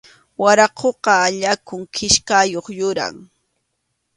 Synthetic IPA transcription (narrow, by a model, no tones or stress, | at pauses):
waɾɑqʰoqɑːʎakʊŋkʰɪʃkajoχjʊɾa̰ŋ